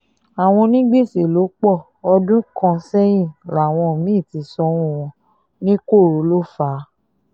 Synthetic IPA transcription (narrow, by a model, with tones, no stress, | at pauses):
a˨w̃ɔ̃˧nĩ˦ɡ͡be˦˨se˨lo˨˦k͡pɔ˦˨ | ɔ˧dũ˦kɔ̃˧sɛ˦j̃ĩ˦˨ɾa˨w̃ɔ̃˧˨mĩ˦˨ti˨˧˦sɔ˧˦wũ˦˨wɔ̃˧ | nĩ˦ko˦˨ɾo˨˦lo˦˨fa˨˦